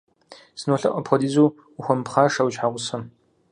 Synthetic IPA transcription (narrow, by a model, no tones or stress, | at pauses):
sɨnoːɬɐ̰ʔʷʼɐpʰxɔdiːzuː | xʷɔmpχaːʂawt͡ʃħaːʁʷʊsɐm